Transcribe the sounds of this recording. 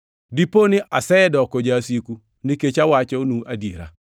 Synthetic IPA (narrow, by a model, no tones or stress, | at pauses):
diponɪʔasɛdɔkod͡ʒasiku | niket͡ʃawat͡ʃɔnuʔadjeɾa̰